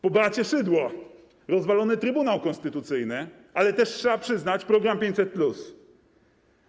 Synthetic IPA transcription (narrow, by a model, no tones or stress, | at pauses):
pɔbat͡ɕɛʂɘd̪wɔ | ɾɔzvalɔnɘt̪ɾɘbunawkɔ̃nst̪ɘt̪ut̪sɘjnɘ | alɛt̪ɛʂtʂɛbapʂɘznat͡ɕpɾɔɡɾampʲeɲt͡ɕʲsɛt̪̚plus